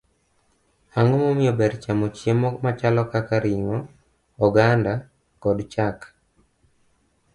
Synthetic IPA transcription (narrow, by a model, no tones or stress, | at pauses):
aŋomomɪjɔbɛɾt͡ʃamot͡ʃjemɔmat͡ʃalɔkakaɾɪŋɔː | ɡanda | kɔdt͡ʃak